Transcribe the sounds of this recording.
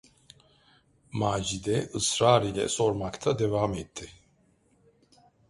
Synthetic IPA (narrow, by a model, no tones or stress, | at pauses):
maːd͡ʒid̪ɛʔɯsɾaːɾilʲɛ̰so̞ɾmakt̪ʰad̪evaːmɛt̪ʰːi